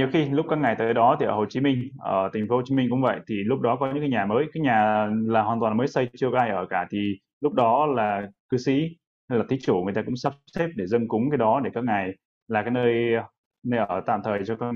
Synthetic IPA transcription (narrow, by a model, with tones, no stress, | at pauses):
ɲi˨˩əwxi˧lʊ˦˥k͡p̚kːaː˦˥kŋa˨˩jt̪a̰˧˨˩ɗɔ˨˦t̪ʰi˨˩ʔəː˧˩ho˨˩t͡ɕi˨˦mï˧ŋ̟ʔəː˧˩t̪ʰi˨˩ŋ̟fo˨˦ho˨˩t͡ɕi˨˦mi˧ŋ̟kʊ̰˧˥ŋ͡mvə̰˧˨jt̪ʰi˨˩lʊ˦˥k͡p̚ɗɔ˨˦kɔ˨˦ɲɨ̰˧˥ŋkaː˨˦ɲaː˨˩məː˨˦jkaː˨˦jɲaː˨˩laː˨˩hwaː˨˩nt̪wa˨˩nməː˨˦jsə˧jt͡ɕt͡ɕəkɔ˧˦a˧ʔəː˧˩kaː˧˩t̪ʰi˨˩ | lʊ˦˥k͡p̚ɗɔ˨˦laː˨˩kɨ˨˦sḭ˧˥ | ha˧jlaː˨˩t̪ʰi˨˦t͡ɕu˧˩ŋ˨˩ət̪aː˧kʊ̰˧˥ŋ͡msa˦˥sɛ˦˥p̚ɗe˧˩zə˧nkʊ˨˦ŋ͡mkaː˨˦jɗɔ˨˦ɗe˧˩kaː˦˥k̚ŋa˨˩j | laː˨˩kaː˨˦jnəː˧j | nə˧jʔəː˧˩t̪a̰ː˧˨mt̪ʰəː˨˩jt͡ɕɔ˧ka˦˥